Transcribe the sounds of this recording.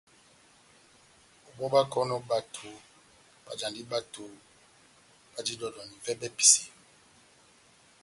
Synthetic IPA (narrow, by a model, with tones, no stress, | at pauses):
o˨bɔ˦ba˦kɔ˦nɔ˦ba˨tʰo˨ | b̥a̰˨d͡ʒã˨ndi˦ba˦tʰo˨ | b̥a˦d͡ʒi˦dɔ˨dɔ˨ni˨vɛ˦bɛ˦pi̥˨si̥˨